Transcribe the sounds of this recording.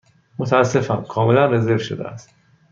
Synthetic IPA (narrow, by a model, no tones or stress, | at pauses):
mot̪ʰæːsːe̞fænkʰɒːme̞lænre̞zeɾvʃo̰d̪ḛæ̰st̪